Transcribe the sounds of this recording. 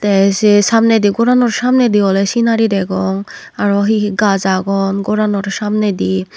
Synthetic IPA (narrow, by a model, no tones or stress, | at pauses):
t̪ɛsesamned̪iɡɔɾanɔɾsamned̪iɔlɛsinaɾidɛɡɔŋ | aɾɔɦiɡazaɡɔnɡɔɾanɔɾʃamned̪i